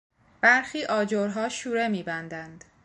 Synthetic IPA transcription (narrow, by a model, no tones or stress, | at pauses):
b̥æɾxiːʔɒːd͡ʒoɾɦɒːʃuːɾemiːbænd̪ænd̪̥